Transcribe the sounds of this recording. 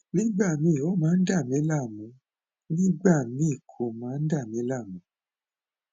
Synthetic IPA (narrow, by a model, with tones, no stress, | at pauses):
nĩ˦ɡ͡ba˦˨mĩ˧˦˨o˦mãː˨˦n̩˦da˦˨mĩ˨˦la˦˨mũ˨˦ | nĩ˦ɡ͡ba˦˨mĩ˦˨kʰo˨mãː˨˦n̩˦da˦˨mĩ˨˦la˦˨mũ˨˦